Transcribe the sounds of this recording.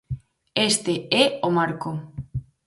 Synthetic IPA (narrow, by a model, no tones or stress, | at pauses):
est̪eɛomaɾko